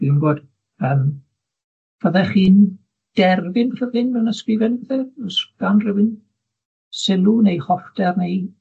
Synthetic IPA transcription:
inɡoːd̥ | əm | v̥əðɛχiːn | d̥ɛrvɪnrəvɪnvɛwnəskɾɪvɛnbəθɛɔsɡ̥anrɛwɪn | sɪlˠunejχɔfdɛrnej

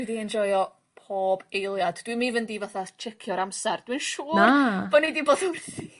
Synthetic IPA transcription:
wɛdiɛnd͡ʒɔjɔ | pʰoːb̥ejlˠjadd̥wimivəndivaθat͡ʃʰɛkʰjɔɾamsɛrd̥winʃuːrab̥ɔnidiboːdɔnmɛθi

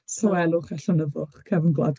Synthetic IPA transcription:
sawɛlˠʊχaɬanəvʊχkʰɛvənɡlˠa̰d

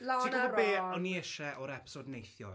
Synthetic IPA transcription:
laikaɔbeːɔniɛʃɛʔɔɾɛpʰsɔdnejθjɔ̰

